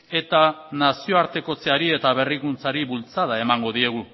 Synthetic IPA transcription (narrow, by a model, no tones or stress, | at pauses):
e̞t̪anasio̞aɾt̪e̞ko̞t͡seaɾie̞t̪aβ̞e̞rikunt͡saɾiβult͡saðae̞maŋɡo̞ð̞ie̞ɣ̞u